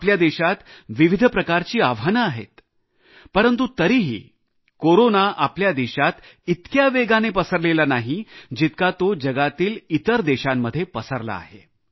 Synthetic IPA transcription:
pljad̪eɕat̪ʋiʋid̪ʱpɾəkaɾt͡ɕiːaʋanəaɦḛt̪ | pəɾənt̪ut̪əɾiːɦḭː | koɾonaʔapljad̪eɕat̪it̪kjaʋeɡanepəsəɾlelanaɦid͡ʑit̪̚kat̪od͡ʑəɡat̪iːlit̪əɾd̪eɕamːəd̪ʱːjepəsəɾla̰ːɦḛ

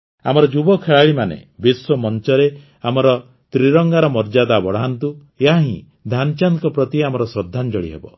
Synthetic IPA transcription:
amɔɾɔd͡ʒubɔkʰeɭaɭimanḛbiswɔmɔnt͡ʃɔɾe | amɔɾɔ | t̪ɾiɾɔŋɡaɾɔmɔɾd͡ʒad̪abɔɽ̤aant̪u | jaɦaɦḭ̃ | d̪ʱant͡ʃankɔpɾɔt̪iamɔɾɔsɾɔd̪ʱːand͡ʒɔɽḭɦḛbɔ

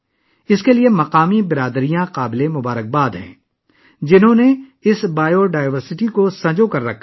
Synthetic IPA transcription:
ɪskeliemɐqaːmibɪɾaːd̪ɾijãqaːblemʊbaːɾək̚baːd̪ɦɛ̰̃ː | d͡ʒɪnɦõneɪsbaːjoɖaːɪʋəɾsɪʈikosɐ̃d͡ʒokɐɾːɐkʰːa

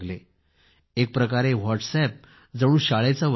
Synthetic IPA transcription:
ɡle | ek̚pɾəkaɾeʋɔʈsɛp̚ | d͡zəɽ̃uːɕaɭet͡saʋ

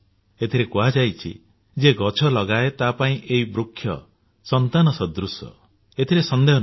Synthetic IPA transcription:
et̪ʰiɾekuad͡ʒajt͡ʃʰḭ | d͡ʒeɡɔt͡ʃʰɔlɔɡaet̪apaĩʔeibɾukʰːjɔ̰ | sɔnt̪anɔsɔd̪ɾusɔ̰ | et̪ʰiɾesɔnd̪eɦɔ

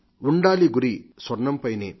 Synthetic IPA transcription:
uɳɖaːliɡuɾiswɐɾnɐmpɐjnḛː

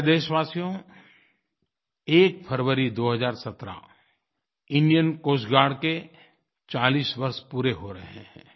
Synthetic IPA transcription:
d̪eːʃʋaːsijõ | eːk̚pʰəɾʋəɾid̪oːɦəzaːɾsɐt̪ɾa̰ | ɪ̃nijənkoːsɡaːɽke | t͡ʃaːliːsʋɐɾspuːɾeɦoɾɐɦḛ̃ɦɛ̰̃ː

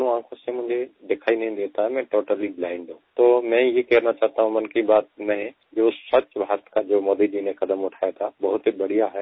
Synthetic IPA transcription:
nũãːkʰõsẽmʊ̃ɦɪ̃ɲd͡ʒed̪ekʰaːinɐɦĩd̪eːt̪aɦɛmɛ̃ʈoːʈəliblaːɪ̃ɳɖɦũt̪oːmɛ̃jekɛɦɾnat͡ʃaɦət̪aɦũmɐnkibaːt̪̚nɐɦĩ | jeosət͡ʃbʱaːɾət̪kad͡ʒoːmod̪id͡ʒinẽxɐd̪əmʊʈʰaet̪ʰabɐɦʊt̪ibɐɽ̤ijaɦɛ

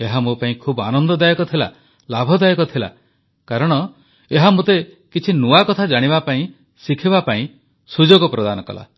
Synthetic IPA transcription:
eɦamupaĩkʰuba̰nɔnd̪ɔd̪ajɔkɔt̪ʰila̰ | labʱɔd̪ajɔkɔt̪ʰila̰ | kaɾɔɽ̃ɔ | eɦamut̪e | kit͡ʃʰinuakɔt̪ʰad͡ʒaɽ̃ibapaĩ | sikʰibapaĩ | sud͡ʒoɡɔpɾɔd̪anɔkɔ̰la̰

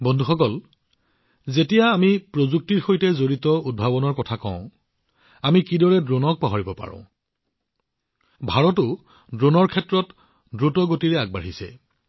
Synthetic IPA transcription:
bɔndʱuxɔkɔl | zetijaːmipɹozuk̚tiɹxojtɛzoɹitɔud̚bʱabɔnɔɹkɔtʰakɔ̰̃ʊ̃ | amikidɔɹɛdɹonɔk̚paɦɔɹibɔpa̰ɹʊ̰̃ | bʱaɹɔtʊ | dɹonɔɹkʰɛtɹɔt | dɹutɔɡotiɹɛaɡ̚baɹisɛ̰

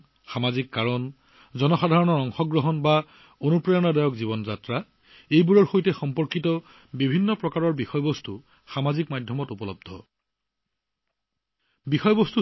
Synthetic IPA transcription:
xamazikːaɹɔn | zɔnɔxadʱaɹɔnɔɹɔŋxɔɡɹɔɦɔnba | onupɹajɔnadajɔkzibɔnzatɹa | ejbuɹɔɹxojtɛxɔmpɔɹkitɔ | bibʱinːɔpɹɔkaɹɔɹbixɔjɔbostu | xamazikmadʱjɔmɔtupɔlɔb̚d̪ʱɔ | bixɔjɔbɔstu

